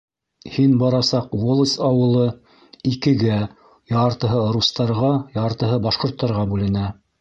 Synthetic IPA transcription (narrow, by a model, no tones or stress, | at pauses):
hinbɑɾɑsɑqwolˠsʲɑwɤ̆lˠɤ | ikɘ̆ɡæ | jɑɾt̪ɤ̆ɦɤɾust̪ɑɾʁɑjɑɾt̪ɤ̆ɦɤbɑʃqŏɾt̪ːɑɾʁɑbʉlɘ̆næ